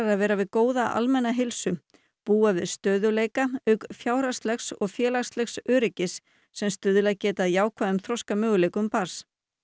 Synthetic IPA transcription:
ɾaðvɛːɾavɪðkoːwðaʔa̰lmɛnːaɦɪlsʏ | puːavɪðst̪œːðʏleːjkaœɥkfjaːwɾast̪lɛxsɔɣfjɛːlast̪lɛxsœːɾɪcɪsː | ɛmst̪ʏðʏlacɛːt̪aðjaːwkʰvaðʏmθɾɔskamœːɣʏleːjkʏmpaɾ̥s

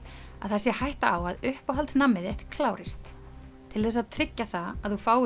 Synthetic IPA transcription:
a̰ðθasjɛhajht̪aawaðʏhpawɦalt̪namːɪðɪht̪kʰlaːwɾɪst̪ | t̪ʰːɪlθɛs̬ːaðt̪ʰɾɪcːaθaaðθufaːw

